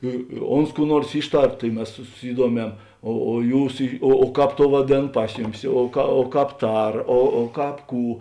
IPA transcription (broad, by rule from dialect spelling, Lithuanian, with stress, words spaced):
ɪ ɪ ˈoːns kuː ˈnuɔrs ˈiːʃˌtɐr tɐɪ ˈmʲɛs sʊ sʊˈsʲiːduɔmʲɛm oː oː ˈjuːs ˈiː oː ˈkɑːp ˈtoːʊ ʋɐˈdʲeːn ˈpɐs jʊˌmʲɪs oː kɐ oː ˈkɑːp ˈtɐr oː oː ˈkɑːp ˈkuː